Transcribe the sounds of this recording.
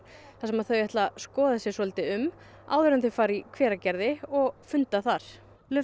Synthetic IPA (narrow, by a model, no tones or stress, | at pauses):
θasɛmaðθœɥɛht̪laskɔːðasjɛsɔlɪt̪ɪʏm | a̰wðʏɾʏanθɪfaːɾikʰvɛːɾacɛɾðɪɔɣfʏnt̪aθaɾ̥ | lʏ